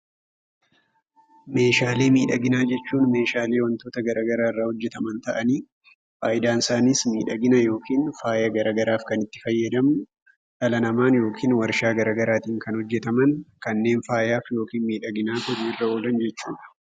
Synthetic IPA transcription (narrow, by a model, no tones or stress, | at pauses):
me̞ːʃaːle̞ːmiːᶑɐɡɪnaːd͡ʒɛt͡ʃːuːnme̞ːʃaːle̞ːwɐnt̪o̞ːt̪ɐɡɐɾaːɡɐɾaːɪrːaːhɔd͡ʒːɛt̪ɐmɐnt̪ɐʔɐniː | faːjɪd̪aːnɪsaːniːsmiːᶑɐɡɪnɐjo̞ːkiːnfaːjɐɡɐɾaːɡɐɾaːfkɐnɪt̪ːɪ̥fɐjːɐd̪ɐmʊ | ᶑɐlɐnɐmaːnjo̞ːkʰiːnwɐɾʃaːɡɐɾaːɡɐɾaːt̪iːŋkɐnhɔd͡ʒːɛt̪ɐmɐnkɐnːe̞ːnfaːjaːfjo̞ːkiːnmiːᶑɐɡɪnaːt̪ʊɾiːrːɐo̞ːlɐnd͡ʒɛt͡ʃːuːᶑɐ̥